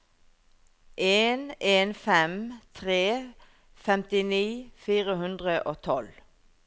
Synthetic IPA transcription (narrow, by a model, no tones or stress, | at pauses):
ʔeːneːnfɛmt̪ʰʁeː | fɛmt̪ɪniːfiːʁəɦʉnd̪ʁəʔoːt̪ʰɔl